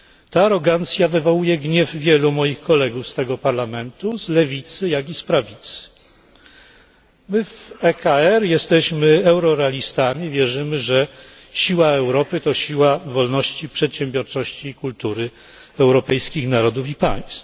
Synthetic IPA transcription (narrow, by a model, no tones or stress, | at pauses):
t̪aːɾɔɡant̪sʲjavɘvɔwujɛɡɲɛvvʲjɛlumɔjixkɔlɛɡufst̪ɛɡɔpaɾlamɛnt̪uzlɛvʲit̪sɘjaɡʲispɾavʲit̪sɘ̥ | mɘvɛkaɛɾjɛst̪ɛɕmɘɛwɾɔɾɛalʲist̪amʲivʲjɛʐɘmɘʐɛ | ɕiwaɛwɾɔpɘt̪ɔɕiwavɔlnɔɕt͡ɕipʂɛt̪ɕɛmbʲjɔɾt͡ʂɔɕt͡ɕiːkult̪uɾɘ | ɛwɾɔpɛjskʲixnaɾɔd̪ufipa̰j̃st̪